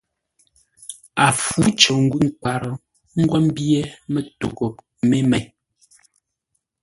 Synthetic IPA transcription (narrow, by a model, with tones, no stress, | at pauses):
a˨fu˨˦t͡ʃɔ˨ŋ̩˦ɡwʉ˦ŋ̩˨ka˨ɾɔ˨ | ŋ̩˦ɡwa˦m˦bje˦mɛ˦to̰˨ɡo˨ | me˦mɛ˨j